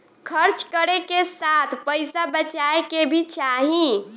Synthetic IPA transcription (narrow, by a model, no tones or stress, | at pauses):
kʰəɾt͡ʃkəɾekesat̪ʰpəjsabət͡ʃaekebʱit͡ʃaɦĩ